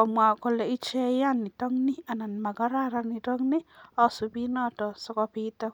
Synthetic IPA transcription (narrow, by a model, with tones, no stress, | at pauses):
kɔ˨mwa˨kɔ˨lɛ˨i˦t͡ʃɛ˦ja˦ni˨tɔ˦ŋnɪ˦a˨na˨nma˨ɡɔ˦ɾa˦ɾani˨tɔ˦ŋni˦ɔ˦su˨bi˦nɔ˦tɔ˨sɔ˦kɔpi˦tɔ˦